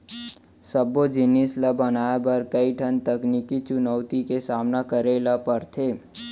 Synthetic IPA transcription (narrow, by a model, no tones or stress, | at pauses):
səbːod͡ʒɪnisləbənaːebəɾkəiʈʰənt̪əknikit͡ʃʊnəʊt̪ikesaːmnakəɾelapəɾt̪ʰeː